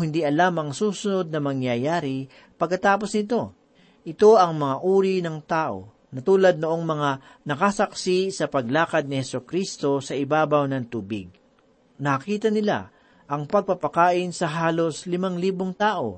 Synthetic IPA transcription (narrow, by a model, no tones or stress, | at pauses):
hɪnd̪iʔɐlamɐŋsuːsʊno̞d̪̚nɐmɐŋjɐjaːɾɪ | pɐɡ̚kɐt̪aːp̬osnɪt̪o̞ | ʔɪt̪o̞ɐŋmɐŋaʔuːɾinɐŋt̪aːʔo̞̰ | nɐt̪uːlɐd̪̚noʔo̞ŋmɐŋa | nɐkasɐksisɐpɐɡ̚laːkɐd̪̚nɪhɛsokɾist̪o̞sɐʔɪbaːbɐwnɐŋt̪uːbɪ̰ɡ̚ | nɐɐkiːt̪ɐnɪla̰ | ʔɐŋpɐɡ̚pɐpɐkaːʔɪnsɐɦaːlo̞slɪmaŋliːboŋt̪aːʔo̞̰